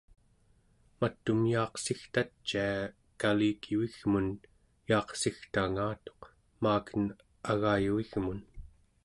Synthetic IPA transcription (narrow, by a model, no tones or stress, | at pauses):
mat̪ːumjɑːqsixt̪at͡ʃːia | kaliːkʰiuiɣmun | jɑːqsixt̪aŋaːt̪o̞q | maːkən | aɣaːjuiɣmun